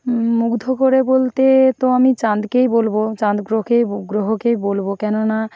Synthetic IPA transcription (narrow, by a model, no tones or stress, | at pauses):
muɡd̪ʱokoɾebolt̪et̪oamit͡ɕãnd̪kejbolbot͡ɕãnd̪ɡɾokejɡɾoɦokejbolbokɛnona